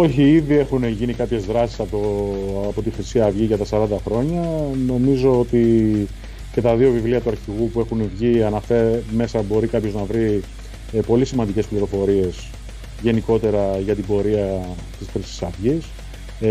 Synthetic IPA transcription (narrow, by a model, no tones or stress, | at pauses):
o̞çiiðie̞xuneʝinikɐpçe̞zðɾɐsi̥sɐpopo̞t̪ixɾisiɐvʝiʝɐt̪ɐsɐɾɐnd̪ɐxɾo̞ɲɐno̞mizo̞ot̪i | ce̞t̪ɐðio̞vivliɐt̪uɐɾçiɣupue̞xunvʝiɐnɐfeme̞sɐbo̞ɾikɐpço̞znɐvɾi | po̞lisimɐnd̪ice̞spliɾo̞fo̞ɾie̞s | ʝe̞niko̞t̪e̞ɾɐʝɐt̪ibo̞ɾiɐ | t̪isxɾisi̥sɐvʝis